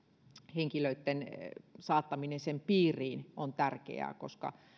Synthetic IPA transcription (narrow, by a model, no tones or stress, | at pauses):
heŋkiløit̪ːensɑːt̪ːɑminensempiːriːnont̪ærkḛæ̰ːkoskɑ̰